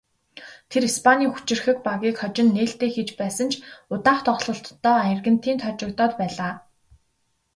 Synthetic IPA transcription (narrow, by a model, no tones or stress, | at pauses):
t̪ʰeɾispʰaniːxu̥t͡ɕɪ̆rxɘ̆k̚paɣʲiːkχɔt͡ɕɪ̆nːeːɬt̪eːxet͡ɕpæːsə̆nt͡ɕʰʊt̪aːχt̪ʰɔɮɞ̆ɬt̪ːɔːaj̆rɣɘ̆n̥t̪ʰiːnt̪ʰɔt͡ɕɪ̆k̚t̪ɔːt̪pæːɮaː